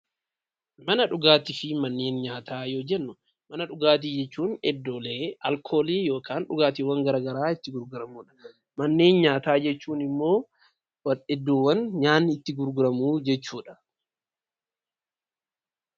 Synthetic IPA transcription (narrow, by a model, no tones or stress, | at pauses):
mɐnɐᶑʊɡaːt̪ɪfɪmɐnːe̞ːnɲaːt̪ʰaːjoːd͡ʒɛnːʊ | mɐnɐᶑʊɡaːt̪̬iːd͡ʒɛt͡ʃːuːnɛd̪ːoːleːɐ̰lkʰo̞ːliːjo̞ːkʰaːnᶑʊɡaːt̪iːwɐŋɡɐɾaːɡɐɾaːɪt̪ːɪɡʊɾɡʊɾɐmuːᶑɐ̥ | mɐnːe̞ːnɲaːt̪aːd͡ʒɛt͡ʃːuːnɪmːo̞ː | wɐɛd̪ːowːɐnɲaːnːɪɪt̪ːɪɡʊɾɡʊɾɐmuːd͡ʒɛt͡ʃːuːᶑɐ̥